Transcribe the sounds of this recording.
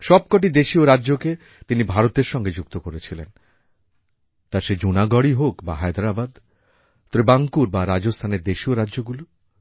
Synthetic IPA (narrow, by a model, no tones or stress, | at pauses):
ʃɔb̚kɔʈ̬id̪eʃioɾadːʑoke | t̪inibʱaɾot̪eɾʃɔŋɡed͡ʑuk̚t̪okoɾet͡ɕʰilen | t̪aɾʃed͡ʑunaɡɔɽiɦokbaɦajd̪ɾabad̪ | t̪obebaŋkuɾbaɾad͡ʑost̪ʰaneɾd̪eʃioɾadːʑoɡulo